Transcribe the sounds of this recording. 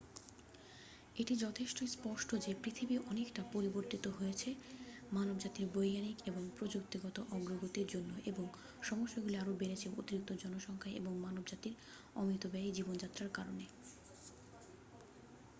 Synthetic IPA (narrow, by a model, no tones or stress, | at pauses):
eʈid͡ʑɔt̪ʰeʃʈojspɔʃʈʰod͡ʑepɾit̪ʰibiʔɔnekʈapoɾiboɾt̪it̪oɦoet͡ɕʰemanobd͡ʑat̪iɾbojɡanikeboŋpɾod͡ʑuk̚t̪iɡɔt̪oʔɔɡɾoɡot̪iɾd͡ʑonːoʔeboŋ | ʃɔmoʃːoɡuliaɾobeɾet͡ɕʰeo̰t̪iɾik̚t̪od͡ʑɔnoʃɔŋkʰaʔḛboŋmanobd͡ʑat̪iɾ | ɔ̰mit̪obɛid͡ʑibond͡ʑat̪ːɾaɾkaɾone